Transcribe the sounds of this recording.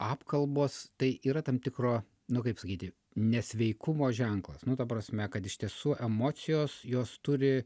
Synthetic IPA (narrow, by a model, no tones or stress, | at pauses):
ɑːpkɐlˠboːst̪ɐɪʔiːɾɐt̪ɐmt̪ʲɪkroː | nʊkɐɪpsɐkʲiːt̪ʲɪ | nʲɛsʲʋʲɛɪkʊmoːʒʲɛŋklˠɐsnʊt̪ɐpɾɐsʲmʲɛkɐt̪ɪʃt̪ʲiɛsuːʔɛmoːsʲɪjoːsjoːst̪ʊɾʲɪ